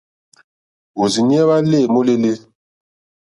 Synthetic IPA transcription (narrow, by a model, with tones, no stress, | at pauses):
o˨zi˨ni˦ɛ˦βa˦le˦˨mo˦le˦le˦